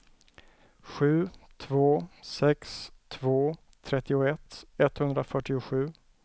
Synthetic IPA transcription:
ɧʉ̟ːt̪ʰvoːsɛkst̪ʰvoː | t̪ʰɾɛt̪ːɪʊɛt̪ːɛt̪hɵnd̪ɾafœʈːɪʊɧʉ̟ː

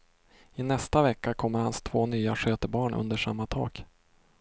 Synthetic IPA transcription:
ɪnɛst̪avɛkːakʰɔmːəɾhanst̪ʰv̥oːnyːaɧøːt̪əɾbɑːɳʔɵ̰nd̪əʂa̰mːat̪ʰɑ̰ːɡ̥

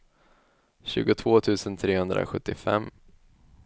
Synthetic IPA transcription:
ɕʉ̟ːɡʊt̪ʰvoːt̪ʰʉ̟ːsənt̪ʰɾeːhɵnd̪ɾʔa̰ɧɵt̪ːɪfɛ̰mː

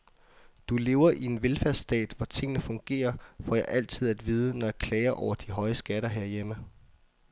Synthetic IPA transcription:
d̥ule̝ːʊɐʔie̝nʋelfæɐsd̥ɛ̰ːd̥ʋɒt͡sʰe̝ŋ̰nəfɔ̽ŋɡ̥e̝̰ːɐfɒjɑ̈ʔæl̰t͡sʰið̞̰ˠæd̥ʋiːð̞ˠənɒjɑ̈kʰlɛːɪɐʔɒʊ̰ɐd̥iɦɒ̽ɪəsɡ̥æɾɐɦeɐ̰jemə

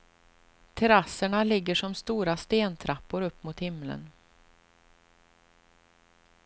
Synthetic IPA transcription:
t̪ʰɛɾasːəɳalɪɡːəʂɔmst̪uːɾast̪eːnt̪ʰɾapːʊɾɵpːmʊt̪hɪmlə̰n

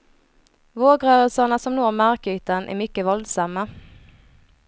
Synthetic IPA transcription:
ʋoːɡʁœːəlsɑnəsɔmnoːʁmæʁkyːt̪ənʔḛːmʏkəʋɔld̪sɑmə

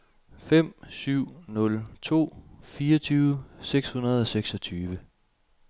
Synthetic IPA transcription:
fem̰syʊ̰nɔ̽lt͡sʰo̝̰ːfiːɐt͡sʰyːʊəseɡ̥shunɐð̞ˠɒ̽seɡ̥sɒ̽t͡sʰyːʋə

